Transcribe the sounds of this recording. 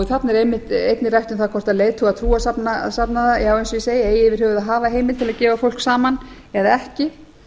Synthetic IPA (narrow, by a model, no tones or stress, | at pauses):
ɪθat̪nɛɾejmːɪht̪ejt̪nɪrajht̪ʏmθaðkʰɔr̥t̪aðleːjðt̪ʰʏɣaðt̪ʰɾuːasapnasapnaðajaːawejnsiseːjeːjɪvɪɾ̥hɛvʏðaðɦaːvaɦejmɪlt̪ʰɪlaðcɛːvafowl̥ksaːman | ɛðaɛhcɪ